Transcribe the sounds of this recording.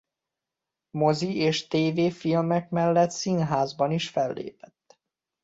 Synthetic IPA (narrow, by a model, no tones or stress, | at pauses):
mo̞zieːʃt̪eːveːfilmɛkmɛlːɛt̪sinɦaːzbɒniʃfɛlːḛːpɛ̥t̪ː